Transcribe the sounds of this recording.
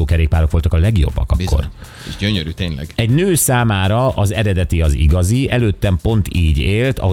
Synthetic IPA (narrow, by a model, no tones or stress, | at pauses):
oːkɛɾeːk̚paːɾo̞kʋo̞lt̪ɒkɒlɛɡjo̞̰bːɒ̰kɒkːo̞̰r | ɟøɲøɾyːt̪eːɲlɛ̰ɡɛɟnøːsaːmaːɾɒʔɒzɛɾɛd̪ɛt̪iɒzḭɡɒziɛløːt̪ːɛmpo̞nt̪ʰiːɟeːlt̪ɒ̰ɦo